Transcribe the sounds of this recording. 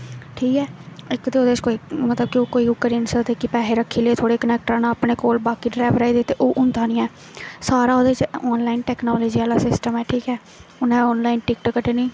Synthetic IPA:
ʈʰiːkɛːɪkt̪eːoːd̪eːt͡ʃkoːiːmət̪ləb̚kɪoːkoːiːʊkːəɾinsət̪ekipɛːɦeːɾəkʰːiːleːt̪ʰoːɽeːkənɛːk̚ʈɾãːnãːapɳeːkoːlbaːkiːɖɾaːʋɾaːiːd̪et̪ːeʔoːʔʊ̃nd̪ãːnĩːɛ̃ː | saːɾaːoːd̪eːt͡ʃɔːnlaːiːnʈɛːknɔːloːd͡ʒiːaːlaːsɪsʈəmɛːʈʰiːkɛː | ʊnãːɔːnlaːinʈɪkʈkəʈeːniː

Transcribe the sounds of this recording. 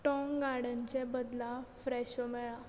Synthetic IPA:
ʈɔ̃ŋɡaɽə̃ɲt͡ɕebəd̪lãfɾɛɕɔmɛɭã

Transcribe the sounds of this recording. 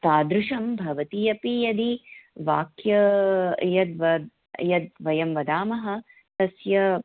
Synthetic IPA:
t̪aːd̪ɾuʃɐmbʱɐʋɐt̪ijɐpijɐd̪iʋaːkjɐ | jɐd̪ʋɐd̪ | jɐd̪̚ʋɐjɐmʋɐd̪aːmɐɦɐ̆ | t̪ɐsjɐ

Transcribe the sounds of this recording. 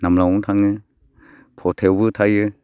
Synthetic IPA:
namlauŋt̪ʰaŋɯ | pʰɔtʰɛwbɯt̪ʰajɯ

